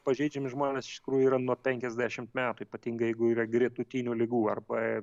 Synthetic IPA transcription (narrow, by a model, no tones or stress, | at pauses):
pɐʒʲɛɪd͡ʒʲɛmʲɪʒmoːnʲeːsɪ̥ʃtʲɪ̥kɾuːjʊiːɾɐnuɔpʲɛŋʲkʲɛzʲd̪ʲæʃʲɪmt̪mʲæːt̪uiːpɐt̪ʲiːŋɡɐjɛɪɡʊiːrɐɡɾʲɪt̪ʊt̪ʲinʲuːlʲɪɡuːɐrbɐ